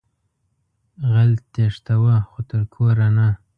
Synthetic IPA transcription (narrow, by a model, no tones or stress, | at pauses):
ɣalt̪eʂt̪awaxot̪əɾkʰoɾana